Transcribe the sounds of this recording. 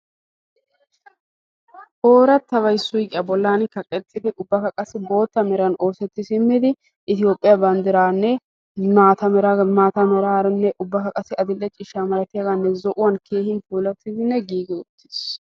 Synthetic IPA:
ʔoːɾɐt̪ːɐβɐjsːʊjkʼɪɐbɔlːaːnkɐkʼːɛt̪ːɪd̪ɪʔʊbːɐkɐkʼɐsɪbo̞ːt̪ːɐmɛɾɐno̞ːsɛt̪ːɪsɪmːɪd̪ɪ | ʔɪt̪ɪjo̞ːpʼːɪjabɐnd̪ɪɾaːnːɛ | aːt̪ɐɾmaːt̪ɐmɛɾaːɾnːɛʔʊbːɐkɐkʼɐsːɪɐd̪ɪlːɛt͡ʃʼɪʃaːmɐɾɐt̪ɪjɐɡanːɛzɔʔʊwɐnkʰe̞ːhɪnfuːlɐt̪ːɪd̪ɪnːɛɡiːɡɪʊt̪ːɪ̥s

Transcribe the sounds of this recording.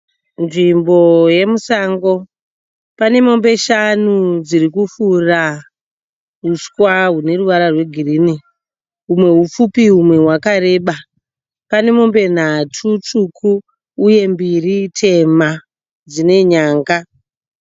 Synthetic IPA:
nʐimbo̞je̞musaːŋɡo̞ | pane̞mo̞mbe̞ʃanud͡zirikufura | ɦuskwaɦune̞ruʋaɾarwe̞ɡʱiriːni | ɦumwe̞ɦufupiɦumwe̞ɦwakaɾe̞ːɓa | pane̞mo̞mbe̞n̤atʰut͡ʂukʰuː | je̞mbiritʰe̞ma | d͡zine̞ɲaːŋɡa

